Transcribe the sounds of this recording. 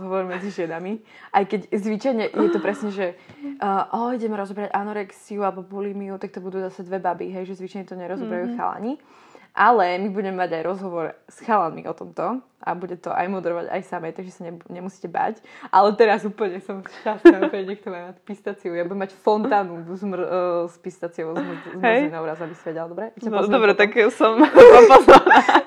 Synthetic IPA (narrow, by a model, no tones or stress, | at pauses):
zɦɔʋɔɾmɛd͡ziʒɪɛnami | ʔajkɛɟzʋit͡ʃajɲɛʔjɛt̪ɔpɾɛsɲɛʒɛʔʔɔiɟɛmɾɔzɔbɾaɟʔanɔɾɛksiualɛbɔbulimiut̪ak̚t̪ɔbud̪uːzasɛd̪ʋɛbabiɦɛjʒɛzʋit͡ʃajɲɛt̪ɔɲɛɾɔzɔbɾajuxa̰la̰ɲi | ʔalɛmibuɟɛmɛmaɟajɾɔzɦɔʋɔɾsxalanmḭʔɔt̪ɔmt̪ɔ | ʔa̰buɟɛt̪ɔʔa̰jmɔd̪ɛɾɔʋa̰ɟa̰jsamɛjt̪aɡʒɛsaɲɛɲɛmusi̥cɛba̰cʔalɛt̪ɛɾazuːpl̩ɲɛsɔmʃcasatɛɲɛk̚t̪ɔmammacpist̪at͡siujabudɛmacfɔnt̪aːnuzmspist̪at͡siɔʊmzminaʊɾazabisaʋɛɟɛld̪ɔbɾɛaaɔd̪ɔbɾɛt̪aksɔmapɔa